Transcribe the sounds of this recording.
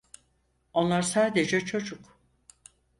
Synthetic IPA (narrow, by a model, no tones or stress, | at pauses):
o̞nlˠaɾsaːd̪e̞d͡ʒɛt͡ʃʰo̞d͡ʒuk